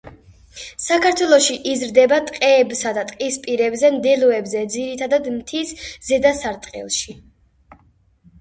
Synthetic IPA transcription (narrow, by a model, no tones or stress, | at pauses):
sakʰaɾt̪ʰwɛlˠɔʃiʔizɾd̪ɛbat̪ʼqʼɛːbsad̪at̪ʼqʼispʼiɾɛbzɛmd̪ɛlˠɔɛbzɛd̪ziɾit̪ʰad̪ad̪mt̪ʰisz̥ɛd̪asaɾt̪ʼqʼɛ̰lˠʃi